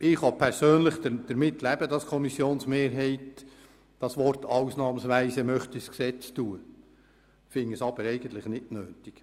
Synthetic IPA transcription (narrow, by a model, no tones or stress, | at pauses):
ʔɪχɑpʰɛɾsøːnləχdəd̥əɾmɪtːlæb̥əd̥ɑskʰɔmisjoːnsmeːɾɦɛɪt | d̥ɑsʋɔɾtɑwsnɑːmsʋæɪsəmœχt̪isksɛt͡stuːə | fɪŋəsɑb̥əɾɛɪɡən̩t̪ləχnɪtnøːtiɡ̥